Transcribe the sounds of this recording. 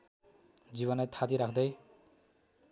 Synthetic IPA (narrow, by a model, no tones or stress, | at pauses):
d͡ʒiβɔnet̪ʰat̪iɾakʰd̪ej